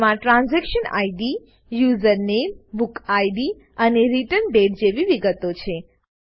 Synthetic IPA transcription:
mãʈɾãnzɛkʃəna̰iɖi | juzəɾnembukaiɖi | əneɾiʈəɾnɖeʈd͡ʒeʋiʋiɡət̪ot͡ʃʰe

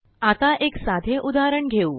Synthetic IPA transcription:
at̪aʔeksad̪ʱeʔud̪aɾəɳɡʱeu

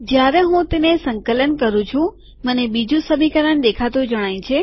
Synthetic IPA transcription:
d͡ʒjaɾeɦũt̪enesəŋkələnkəɾũt͡ʃʰũ | mənebid͡ʒũsəmikəɾəɳd̪ekʰat̪ud͡ʒəɽ̃ajĩt͡ʃʰe

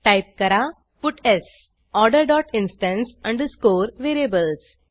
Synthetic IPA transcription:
ʈajp̚kəɾa | fuʈes | ɔɾɖəɾɖɔʈinsʈə̃nsə̃ɳɖskoːɾʋeɾiebəls

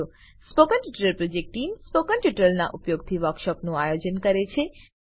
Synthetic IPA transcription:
spokənʈuʈəɾəlpɾod͡ʒek̚ʈʈːimspokənʈjuʈəɾəlna̰ʔupjoɡt̪ʰiʋəɾkʃɔpnũajod͡ʒənkəɾet͡ʃʰe

